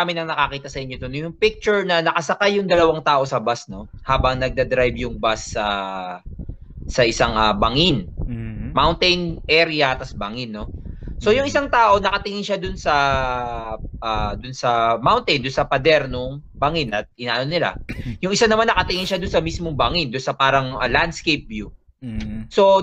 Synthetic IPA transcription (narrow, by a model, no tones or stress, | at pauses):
amɪnɐŋnɐkakiːt̪ɐsɐʔɪɲːod̪onjʊŋpɪk̚t͡ʃʊɹnɐnɐkɐsɐkajːʊŋd̪ɐlɐwaŋt̪aːʔo̞sɐbasno̞haːbɐŋnɐɡ̚d̪ɐd̪ɾajbjʊŋbasːɐ | sɐʔɪsaŋɐbɐŋɪn | mawnt̪ɛjnʔɛɾɪɐt̪ɐsbaŋɪnːo̞so̞jʊŋʔɪsaŋt̪aːʔo̞nɐkɐt̪ɪŋɪŋʃad̪ʊnsɐ | ʔad̪ʊnsɐmawnt̪ɪnd̪ʊnsɐpɐd̪ɛɾnoŋ | bɐŋɪnɐt̪̚ʔɪnaːʔɐnonɪla̰jʊŋʔɪsanɐmanːɐkɐt̪ɪŋɪnʃad̪ʊnsɐmismoŋbaŋɪnd̪ʊnsɐpaːɾɐŋɐland̪skejp̚vju | so̞